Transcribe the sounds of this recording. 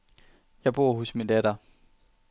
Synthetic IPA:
jɑ̈ɪb̥o̝ːɐɦusmind̥æɾɐ

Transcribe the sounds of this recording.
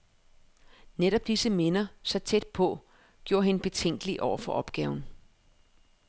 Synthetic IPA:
neɾɒ̽b̥̚d̥isəme̝nɐsɒ̈t͡sʰed̥̚pʰɒ̽ | ɡ̥jo̝ːɐɦe̝nəb̥e̝t͡sʰeŋ̰ɡ̥əliʔɒʊ̰ɐfɒ̽ʔɒ̽b̥ɡ̥ɛːʊn̩

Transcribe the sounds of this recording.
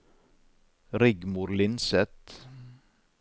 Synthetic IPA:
ɾɪɡmʊɾlɪnsɛt̪

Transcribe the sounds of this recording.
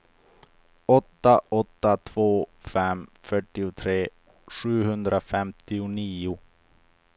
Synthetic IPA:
ɔt̪ːaʔɔt̪ːat̪ʰvoːfɛmfœʈːɪʊt̪ʰɾeː | ɧʉ̟ːɦɵnd̪ɾʔafɛmt̪ɪʊniːʊ

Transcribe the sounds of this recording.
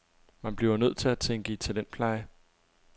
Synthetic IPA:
mænb̥liʊɐnøð̰ˠt͡sʰe̝læt͡sʰeŋɡ̥əit͡sʰe̝ld̥enpʰlɑ̈ɪə

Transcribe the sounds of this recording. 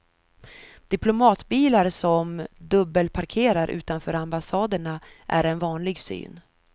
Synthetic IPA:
d̪̥ɪplʊmɑːt̪biːlaɾsɔmd̪ɵbːəlpʰaɾkʰeːɾaɾʔʉ̟̰ːt̪anfœːɾambasɑːd̪əɳaʔæ̰ɾɛnvɑːnlɪɡsy̰ːn

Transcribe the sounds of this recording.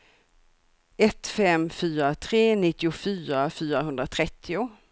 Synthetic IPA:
ɛt̪fɛmfyːɾat̪ʰɾeːnɪt̪ːɪʊfyːɾafyːɾaɦɵnd̪ɾat̪ʰɾɛt̪ʰːɪʊ

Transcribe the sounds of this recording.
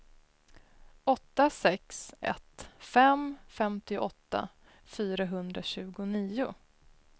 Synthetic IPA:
ɔt̪ːasɛksɛ̰t̪fɛmfɛmt̪ɪʔɔt̪ːa̰ | fyːɾaɦɵnd̪ɾaɕʉ̟ːɡʊniːʊ

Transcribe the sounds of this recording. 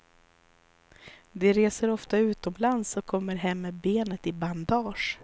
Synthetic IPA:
d̪ɛɾeːsəɾɔft̪aʉ̟ːt̪ɔmlansɔkʰɔmːəɾɦɛmːɛbeːnət̪ɪband̪ɑːʂ

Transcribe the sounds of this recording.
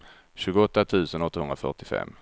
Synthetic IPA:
ɕʉ̟ːɡʊɔt̪ːat̪ʰʉ̟ːsənɔt̪ːahɵnɾafœ̰ʈɪfɛ̰mː

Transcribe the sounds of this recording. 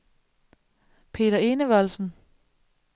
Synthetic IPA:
pʰe̝̰ːɾɐe̝ːnəʋɒlsn̩

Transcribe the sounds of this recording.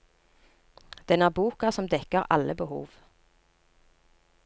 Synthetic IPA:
d̪̥ɛnæːʁbuːkɑsɔmd̪ɛkəʁʔɑ̰ləbəhṵːʋ

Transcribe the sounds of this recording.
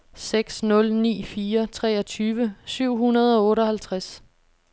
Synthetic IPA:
seɡ̥snɔ̽lnḭːfiːɐt͡sʰʁɛːɐt͡sʰyːʋəsyʊ̰ɦunɐð̞ˠɒ̽ɔ̽ːɾəɒ̽hælt͡sʰʁas

